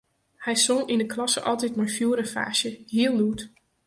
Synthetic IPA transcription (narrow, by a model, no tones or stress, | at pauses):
hɛjsɔŋindəklɑsə̰ʔɑlˠtɛtmajfjuːɾəfa̰ːʃjəhiəlˠnut